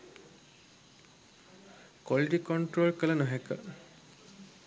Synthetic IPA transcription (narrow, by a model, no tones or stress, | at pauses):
kwɔliʈikɔɳʈɾolkəlɐnɔɦɛkə̰